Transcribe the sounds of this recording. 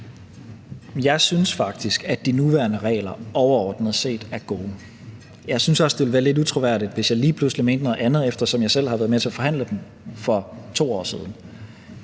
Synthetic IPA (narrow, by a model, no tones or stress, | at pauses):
jɑ̈ɪsynsfɑ̈ɡ̥̚d̥isɡ̥æd̥inuʋæɐnəʁɛ̰ːɪlɐɒʊɐɒ̰ːd̥nəð̞̩ˠse̝̰ːd̥æɐɡ̥o̝ː | jɑ̈ɪsynsɒ̽sd̥e̝ʋe̝lʋæːɐle̝dut͡sʰʁo̝ʋæɐ̰ɾid̥ʋe̝sjɑ̈ɪliːpʰluslime̝ːnd̥nɔ̽ːð̩ˠænð̞̩ˠefd̥ɐsɒ̽mjɑ̈ɪsel̰hɑʋæɐð̩ˠmet͡sʰe̝ɐfɒ̽ɦhæn̰ləd̥em | fɒ̽t͡sʰo̝̰ːɒ̰ːsið̞ˠn̩